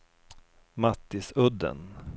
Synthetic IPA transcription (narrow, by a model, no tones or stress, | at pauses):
mat̪ːɪsɵd̪ːə̰n